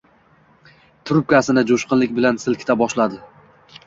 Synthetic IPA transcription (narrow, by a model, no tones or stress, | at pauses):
t̪ʰʊɾʊp̚kʲasɪnɪd͡ʒʊʃqɨnlɪkʲbɪlansɪlkʲɪ̥t̪ʰabɒʃlad̪ɪ